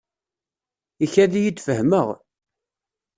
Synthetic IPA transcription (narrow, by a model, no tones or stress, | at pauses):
içæðijid̪fəhməʁ